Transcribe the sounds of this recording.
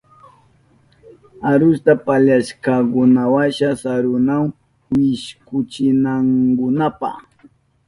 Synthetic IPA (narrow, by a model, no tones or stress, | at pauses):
aɾʊst̪apaʎaʃkakʊnawaʃasaɾʊnaw | wɪʃkʊt͡ʃɪnaŋɡʊnapa̰